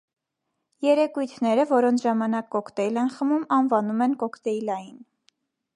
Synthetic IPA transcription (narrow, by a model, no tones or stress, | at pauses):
jɛɾɛkujt̪ʰnɛɾəvɔɾɔnt͡sʰʒɑmɑnɑkːɔkʰt̪ɛilɛnχəmumɑnvɑnumɛnkɔkʰt̪ɛilɑjin